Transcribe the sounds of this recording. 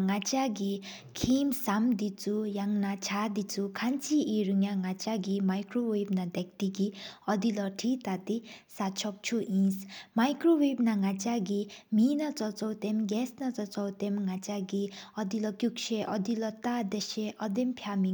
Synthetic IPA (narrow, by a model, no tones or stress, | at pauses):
ŋat͡ʃaɡi | kʰimsamd̪it͡sujaŋnat͡ʃʰad̪it͡sukʰant͡sʰiiɾuŋjaŋat͡ʃaɡimajkɾowebnad̪ek̚t̪iɡiʌd̪ilʌʈʰit̪at̪isat͡ʃʰɔk̚t͡ʃʰuʔĩsmajkɾowebnaŋat͡ʃaɡiminat͡sɔt͡sɔwt̪emɡɛsnat͡sɔt͡sɔwt̪emŋat͡saɡiʌd̪ilʌkjukʃʰeʔʌd̪ilʌt̪ad̪eʃeʔʌd̪empʰjami